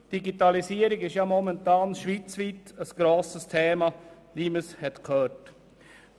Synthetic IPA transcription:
d̥iɡitɑlisiːəɾɪɡɪʃjamɔmɛntɑːnʃʋiːt͡sviːtəsɡ̥ɾoːsəstʰeːmɑ | niːməshɛtkʰhœːt

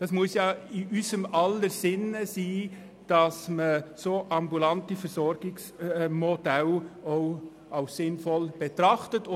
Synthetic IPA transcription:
d̥ɑsmuəsjɑːɪʔysəmɑlːəsɪnəsiː | d̥ɑsməsoːʔɑmbulɑntifəɾsɔɾɡ̥ɪksmod̥ɛlɔʊ | ɑʊssɪnfɔlb̥etɾɑχtət

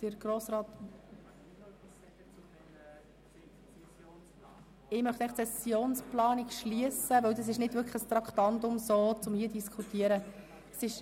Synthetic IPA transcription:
d̥əɾɡɾoːsɾɑːt̪ | ɪmœχtæɪχt͡sɛsjoːnsplɑːnɪkʃliəsəvœwd̪ɑs̬ɪʃnɪdvʏɾkχəst̪ɾɑkʰt̪ɑnt̪ʊmsoːt͡sʊmhiːədiskʰutiəɾə | sɪʃ

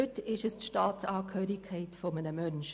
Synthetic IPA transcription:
ʏtɪʃəstʃtɑːtsɑːkʰøːɾikʰːɛɪtfomənəmœnʃ

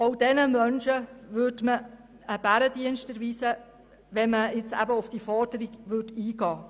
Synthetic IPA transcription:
ɔwd̥ɛnəmœnʃəʋʏːdmə | əb̥æɾədiənʃtəɾʋiːsə | ʋɛnməɪt͡sæ̰bəʊfd̥ifɔɾd̥əɾiɡ̥ʋʏtiːɡɑː

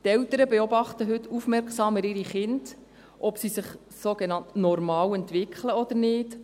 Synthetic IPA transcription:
t̪ɛlt̪əɾəbeɔbɑχt̪əɦʏtːufmɛrksɑːmɪɾɪɾiχɪnd | ʔɔpsisɪχ | soɡ̥enɑntnɔrmɑːwɛnt̪ʋɪkʰχləɔd̪əɾnɪːt

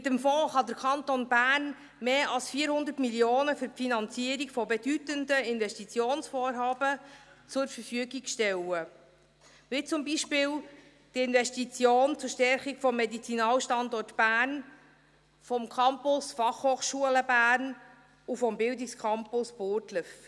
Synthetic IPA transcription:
ɪt̪əmfɔ̃ːχɑd̪əɾkʰɑnt̪onbæːn | meːʔɑlsfiːəɾhʊnd̪ərtmiljoːnəfʏɾpfinɑnt͡siəɾikfɔbedytəndəɪnvɛstit͡sjoːnsfoːɾɦɑːbət͡sʊɾfəɾfyəɡiɡʃtɛlə | ʋɪt͡sʊmbiʃpɪːl | d̥iɪnvɛʃtit͡sjoːnt͡sʊɾʃtɛɾχikfɔmːɛdit͡sinɑːlʃtɑndɔrtb̥æːn | fɔmkʰɑmpʊsfɑχhoːχʃuələbæːrn | ufɔmbɪldɪkskʰɑmpʊsboːrtləf

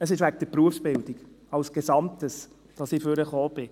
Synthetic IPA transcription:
əsɪʃʋæk̚d̥əpɾuəfsb̥ɪldɪɡ | ɑlsɡ̥ɛzɑmtəs | d̥ɑsɪføɾəχoːb̥ɪ

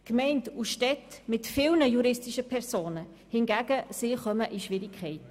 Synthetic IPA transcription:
kmɛɪntuʃtɛtmɪtfɪlnəjuɾɪstiʃəpʰɛɾsoːnə | hɪnɡæɡəsiχœməʔiʃʋɪɾɪkʰχɛɪt

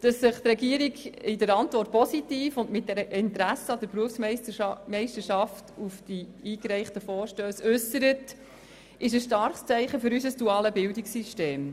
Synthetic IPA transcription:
d̥ɑsːɪχt̪ɾɛɡiəɾiɡɪdəɾɑntʋɔrt̚pɔsitiːfʊndmɪt̚dɛɾəʔɪnt̪ɾæsəɑd̥əɾpɾuəfsmmɛɪʃtəʃɑftufd̥iiːkɾæɪχtəfɔːɾʃtøːsʉsəɾət | ʔɪʃ̬əsʃtɑɾχst͡sæɪχəfʏɾysəsd̥uɑːləbɪldɪksiʃteːm

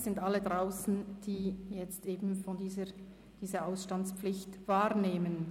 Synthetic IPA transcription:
z̥ɪndʔalədʁaʊsn̩d̥iːjɛt͡stʔeːbn̩fɔndiːzə | d̥iːzəʔaʊsʃtant͡spflɪçtv̥aːɾneːmən

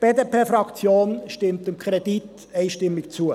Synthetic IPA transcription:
b̥eːdepʰeːfɾɑkt͡sjoːnʃtɪmt̪ɪmkʰʁed̥it | ɛɪʃtɪmːɪkt͡suə

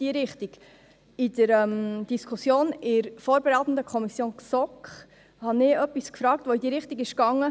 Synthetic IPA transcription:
d̥iəɾɪχt̪iɡ̥ | ɪd̥əɾɛmd̥iskʰusjoːnɪɾfoːɾbɛɾæɪt̪n̩d̪əkʰχɔmisjoːnksɔkχ | hɑnɪːœpːiskfɾɑːktʋoid̪iːɾɪχt̪iɡɪʃkɑŋːə

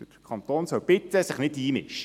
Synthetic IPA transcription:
ə̥ | kʰɑnt̪oːnsœwb̥ɪt̪əsɪχnɪtiːmɪ̰ʃ

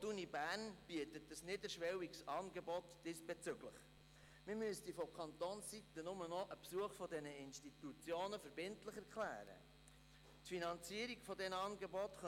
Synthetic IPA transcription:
tunibæːrnb̥iətətəsnɪdəɾʃʋɛwiksɑːnɡɛbɔt̪d̥ɪsb̥ɛt͡sʏɡləχ | mɪmyəst̪ifɔkʰɑnt̪oːnssit̪ənʊmənɔʔəpsuəχfɔdɛnəɪnʃtitut͡sjoːnəfəɾbɪntləχɛɾkχlæ̰ːɾə̰ | tfinɑnt͡siəɾiɡfɔdɛnəɑːnɡɛbɔtχœ

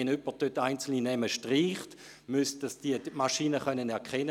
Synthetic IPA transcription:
enʏpəd̥øtaɪnt͡sl̩ninɛməʃtʁiːχt | mystd̥asd̥iəmaʃiːnəχœnənɛɐkʰχɛnə

